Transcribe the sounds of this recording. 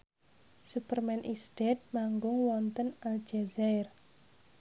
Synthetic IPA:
supərmɛnʔisd̥ɛt̪̚maŋɡʊŋwɔnt̪ənald͡ʒazaɪr

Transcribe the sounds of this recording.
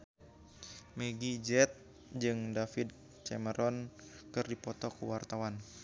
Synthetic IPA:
meɡid͡ʒɛt̪̚ | d͡ʒɨŋdafid̪̚ | t͡ʃɛməɾɔnkɨrdipɔt̪ɔkuwart̪awan

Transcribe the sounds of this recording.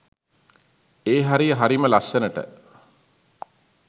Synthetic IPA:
eːɦaɾijəɦaɾiməlasːenəʈə̰

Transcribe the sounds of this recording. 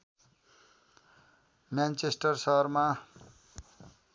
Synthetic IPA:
mjant͡sesʈʌrsʌɦrma

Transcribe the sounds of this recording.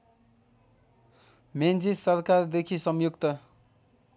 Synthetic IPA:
mend͡zisʌrkard̪ekʰisʌmjukt̪ʌ

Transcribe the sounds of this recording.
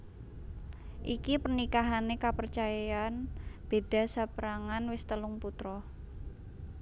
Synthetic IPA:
ʔikipərnikaɦanekapərt͡ʃajaanb̥e̤d̥a̤sapɾaŋanwɪst̪əlʊŋput̪ɾɔ

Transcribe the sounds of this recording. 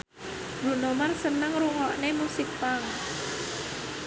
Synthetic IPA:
b̥ɾṳnomarsənəŋɾuŋɔʔnemusik̚paŋ

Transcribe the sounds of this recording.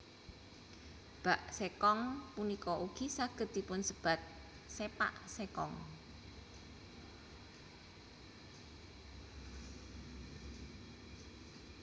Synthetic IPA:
b̥aʔsekɔŋpunikɔʔuɡ̥isaɡ̥ə̤t̪̚d̪̥i̤pʊnsəb̥a̤t̪̚ | sepa̰ʔsekɔ̰ŋ

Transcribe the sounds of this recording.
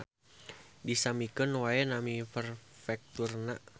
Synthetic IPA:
disamikənwaɛnamifərfɛk̚t̪urna

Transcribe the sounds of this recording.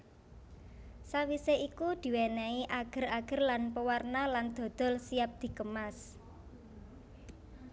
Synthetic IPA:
sawiseʔikud̪̥i̤wenɛiʔaɡ̥ə̤raɡ̥ə̤rlanpəwarnaland̪̥o̤d̪̥ɔ̤lsiap̚d̪̥i̤kəmas

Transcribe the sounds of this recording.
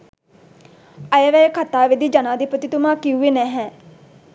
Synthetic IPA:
ɐjəʋɛjəkʰɐt̪aːʋed̪id͡ʒɐnaːd̪ipət̪it̪umaːkiuʋenɛɦɛː

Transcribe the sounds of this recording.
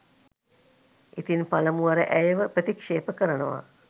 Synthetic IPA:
ʔit̪inpaləmuaɾəʔæjəʋəpɾət̪ikʂeːpəkəɾənəʋa̰

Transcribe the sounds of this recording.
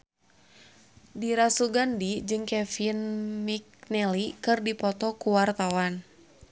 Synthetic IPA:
diɾasuɡandid͡ʒɨŋkɛfinmik̚nɛlikɨrdipɔt̪ɔkuwart̪awan

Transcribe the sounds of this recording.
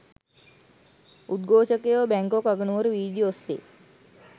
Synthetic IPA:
ud̪ɡoːʃəkejoʋbæŋkokaɡənuʋəɾuʋiːd̪josːḛː

